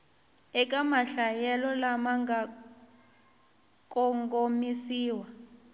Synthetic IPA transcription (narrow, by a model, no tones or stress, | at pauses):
ɛk̬ʼamaɬajɛlɔlamaŋɡa | k̬ʼɔŋɡomisiːwa